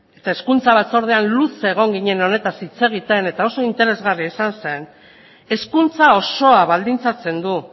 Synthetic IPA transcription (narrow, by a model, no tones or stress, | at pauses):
e̞t̪ae̞skunt͡saβat͡so̞ɾð̞eanluse̞ɣ̞o̞ŋɡiɲe̞no̞ne̞t̪asit͡se̞ɣ̞it̪e̞ne̞t̪ao̞so̞int̪e̞ɾe̞zɣariesanse̞n | e̞skunt͡sao̞so̞aβald̪int͡sat͡se̞nd̪u